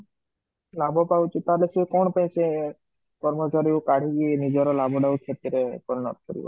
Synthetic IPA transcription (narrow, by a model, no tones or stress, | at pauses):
labʱɔpawt͡ʃʰet̪alesikɔɳ̃pajse | kɔɾmɔt͡ʃaɾiokaɽ̤ikinid͡ʒɔɾɔlabʱɔɖawkʰeɾt̪iɾḛkɔlnɔ̰t̪kɔɾḭbɔ̰